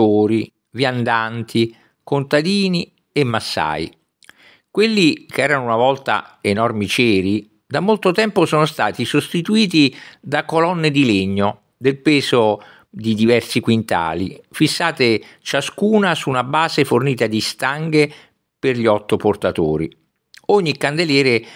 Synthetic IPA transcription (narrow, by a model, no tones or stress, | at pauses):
oːɾi | vjand̪ant̪i | kont̪ad̪iːni | emːasːa̰ːi | kwelːikʰeɛːɾanʊunavɔlt̪a̰enɔrmit͡ʃɛːɾi | d̪amːolt̪ot̪ɛmposɔːnost̪aːt̪isost̪it̪uiːt̪id̪akːolɔnːed̪ileɲːo | d̪elpɛːzo | d̪id̪ivɛrsikwint̪a̰ːlḭfisːaːt̪et͡ʃaskuːnasuːnabaːzeforniːt̪ad̪ist̪aŋɡe | perʎiɔt̪ːoport̪at̪oːɾḭ | oɲːikːand̪eljɛːɾe